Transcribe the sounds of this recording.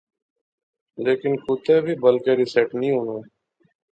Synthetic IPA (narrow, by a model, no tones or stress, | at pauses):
leːkɪnkuːt̪eːbʱiːbəlkeːɾɪseːʈnəĩːɦũnoː